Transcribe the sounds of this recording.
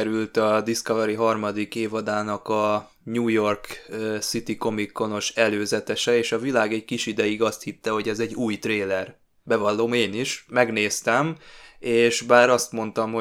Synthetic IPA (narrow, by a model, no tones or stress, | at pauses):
ɛɾylt̪ɒd̪iskɒvɛɾiɦɒrmɒd̪ikeːvɒd̪aːnɒkɒ | ɲuːjo̞rksit̪iko̞mikːo̞no̞ʃɛløːzɛt̪ɛʃɛeːʃɒvilaːɡɛɟkiʃid̪ɛjiɡɒst̪hit̪ːɛɦo̞ɟɛzɛɟːuːjt̪reːlɛr | bɛvɒlːoːmeːniʃmɛɡneːst̪ɛmeːʃbaːɾɒst̪mo̞n̪t̪ɒmho